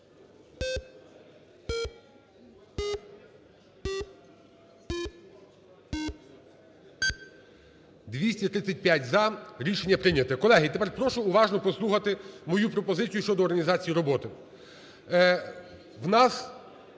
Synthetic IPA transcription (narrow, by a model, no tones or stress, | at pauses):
d̪ʋʲisʲtʲit̪ɾɪt̪ʲːɐt̚ʲpʲjatʲzɐɾʲiʃenʲːɐpɾɪnʲɐt̪ɛkɔlˠɛɦit̪epɛrpɾɔʃʊːʋɑʒnɔpɔslˠuxɐt̪ɪmɔjupɾɔpɔzɪt͡sʲijʊʃt͡ʃɔd̪ɔːrɦɐnʲizɑt͡sʲijiɾɔbɔt̪ɪ | wnɑs